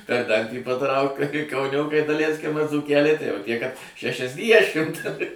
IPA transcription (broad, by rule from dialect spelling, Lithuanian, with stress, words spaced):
pʲɛr ˈdɐnʲtʲiː pɐˈtrɐʊk kɐɪ kɐʊˈnʲoːkɐɪ dɐˈlʲɛɪsʲkʲɪm ɐr d͡zuːˈkʲæːlʲɛɪ tɐɪ jɛʊ ˈtʲiɛ kɐt ʃʲɛʃʲɛzʲˈdʲiɛʃʲɪmt